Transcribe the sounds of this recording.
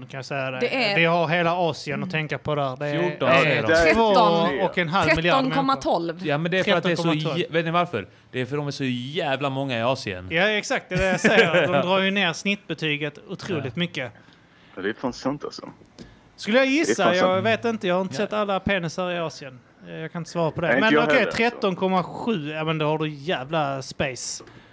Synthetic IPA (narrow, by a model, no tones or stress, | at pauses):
nʉkʰãnjasɛjːad̪ɛvɪɦaɾɦeːlaɑːsɪənɔt̪ʰɛŋkaɾpʰɔd̪æːɾd̪ɛjæɛvoːɔkɛnɦalvmɪljunmkɔmːat̪ʰɔlvjamɛnd̪ɛɾfɾɛɾat̪ːɛkɔsɔmɔlveːt̪nɪvaɾfœ̰ɾ | d̪̥ɛæɾfəɖɔmɛʂɔjæːvlamɔŋːaɪɑːsɪə̰njaɛksak̚t̪̚d̪ɛd̪ɛjasɛjəɾd̪ɔmd̪ɾɑːɾjɵneːɾsnɪt̪ːbɛt̪ʰyːɡət̪ʊt̪ʰɾuːlɪt̪mʏkːə | d̪ɛfɔnsɛnt̪ʰə̰sə̰ | skɵlːəjajɪsːajɑːɡveːt̪ɪnt̪əjɑahaɾɪnt̪əsɛt̪ːalːapʰɛnɪsaɾɪɑːsɪən | jɑkʰanɪnt̪əsvɑːɾapʰɔd̪ɛmɛnɔkʰɛɾɛt̪ːɔnkʰɔmːaɧʉ̟ːɛːvənd̪ɛhaɖɵjæːvlaspeɪs